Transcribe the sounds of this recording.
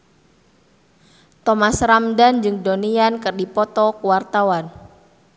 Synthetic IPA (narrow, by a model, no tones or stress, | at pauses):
t̪ɔmasramdand͡ʒɨŋdoniankɨrdipɔt̪ɔkuwart̪awan